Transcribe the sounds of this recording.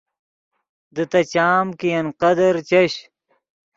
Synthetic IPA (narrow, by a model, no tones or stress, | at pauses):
d̪ɨt̪ɐt͡ɕaːmkijɐnqɐd̪ɐɾt͡ɕɐɕ